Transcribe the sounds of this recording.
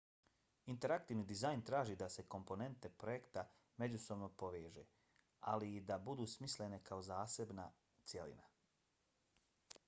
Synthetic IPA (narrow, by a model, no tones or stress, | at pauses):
int̪e̞ɾakt̪iːʋniːd̪izajnt̪ɾaːʒid̪ase̞ko̞mpo̞ne̞nt̪e̞pɾojekt̪a | me̞d͡ʑuso̞bno̞po̞ʋeːʒe̞ː | a̰liːd̪abud̪uːsmisle̞ne̞kʰao̞zaːse̞bna | t̪sʲje̞lḭna